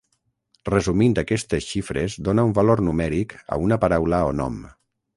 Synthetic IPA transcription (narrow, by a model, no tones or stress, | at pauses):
rəzumind̪əkɛst̪esʃifɾezd̪onaumbaloɾnumɛɾikə̰unəpaɾawləonɔ̰m